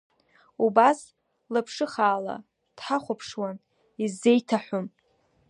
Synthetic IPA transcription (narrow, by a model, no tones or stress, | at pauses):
ubas | lapʰʂɨχaːla̰ | d̥ħaχʷapʰʂwan | izːe̞jtʰaħʷʊm